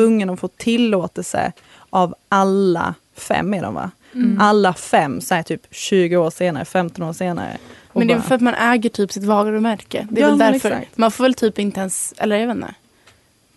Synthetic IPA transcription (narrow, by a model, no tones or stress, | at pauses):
ɵŋːənɔfoːʈʰɪlːoːt̪ɛlsə̰ | ʔavʔalːa̰ | fɛ̰mːɛɖɔ̰mva̰ | ʔalːafɛmːsɔæt̪ʰyːpɕʉ̟ːɡəoːʂeːnaɾə̰fɛmt̪ɔnoːʂeːna̰ɾə̰ | mɔɛnd̪ɛvɛlfœɾat̪manʔɛːɡəʈʰyːpsɪt̪vɑːɡaɾɔmæɾkəd̪ɛɛld̪æɾfœɾt̪manfoːɾvɛlt̪ʰyːpɪnt̪əɛnsɛ̰lːəɾɛːvɛnːɛ̰